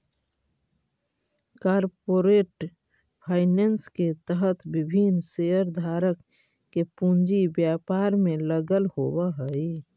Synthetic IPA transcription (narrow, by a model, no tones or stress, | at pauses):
kaːɾpoːɾeːʈ | pʰaːɪnensket̪əɦət̪bɪbʱinseəɾd̪ʱaːɾəkː | epũnd͡ʒibjaːpaːɾmẽləɡəlhoːwaɦəi